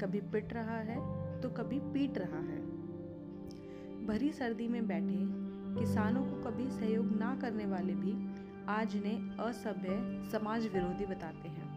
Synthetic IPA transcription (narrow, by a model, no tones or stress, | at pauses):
kɐbʱipɪʈɾɐɦaɦɛt̪okɐbʱipiːʈɾɐɦaɦɛ̰̃ː | bʱɐɾisɐɾd̪imẽbɛːʈʰẽkɪsaːnõkokɐbʱisɐɦjoːɡnɐkɐɾneʋaːlebʱi | aːd͡ʒneəsɐbʱjəsɐmaːd͡ʒʋɪɾoːd̪ʱibɐt̪aːt̪eɦɛ̃ː